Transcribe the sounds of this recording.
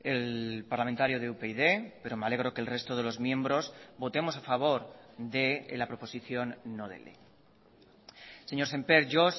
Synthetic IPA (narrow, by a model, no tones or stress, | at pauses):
e̞lpaɾlament̪aɾjoðeupeiðe̞pe̞ɾo̞meale̞ɣ̞ɾo̞ke̞lre̞st̪oð̞e̞lo̞zmjẽ̞mbɾo̞zbo̞t̪e̞mo̞safaβ̞o̞ɾðe̞lapɾo̞po̞siθjo̞nːoðḛlḛ | se̞ɲo̞ɾse̞mpe̞ɾʝos